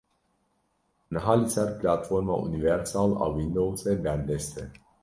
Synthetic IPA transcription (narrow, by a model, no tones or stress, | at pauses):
ɨnɦalisaɾplat̪foɾmaʔṵnivɛɾsala̰wind̪owseband̪est̪e